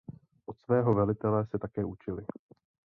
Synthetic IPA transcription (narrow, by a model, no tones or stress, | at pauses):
ʔo̞t̪svɛːɦo̞vɛlɪt̪ɛlɛsɛt̪akɛːʔut͡ʃɪlɪ